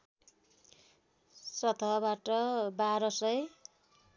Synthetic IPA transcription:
sʌt̪ʰʌbaʈʌbaɾʌsʌj

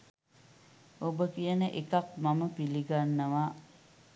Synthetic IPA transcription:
obəkijənəʔekak̚maməpiliɡanːəʋaː

